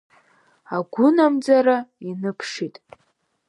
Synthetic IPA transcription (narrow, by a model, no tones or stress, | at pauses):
aɡʷʊnamd͡zaɾainɨpʰʂitʼ